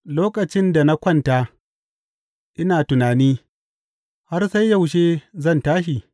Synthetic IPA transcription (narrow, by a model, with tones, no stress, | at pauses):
loː˦kʼɐ˨t͡ʃɪ˦nda˨na˦kʷɐ˦ntaː˦ | ʔɪ˦naː˨tʊ˨naː˨niː˦ | ha˦rsa˦jːa˦˨wʃeː˦zɐ˦˨ntaː˦ʃ̬i˨